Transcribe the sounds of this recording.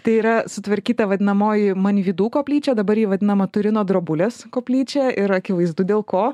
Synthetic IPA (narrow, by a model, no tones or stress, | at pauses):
t̪ɐɪiːɾɐsʊt̪ʋɐɾʲkʲiːt̪ɐʋɐd̪ʲɪnɐmoːjɪmɐnʲʋʲiːd̪uːkoːpʲlʲiːt͡ʃʲɛːd̪ɐbɐɾjiːʋɐd̪ʲɪnɐmɐt̪ʊɾʲɪnoːd̪ɾoːbʊlʲeːskoːpʲlʲiːt͡ʃʲɛʔɪɾɐkʲɪʋɐɪzd̪ʊd̪ʲeːlˠkoː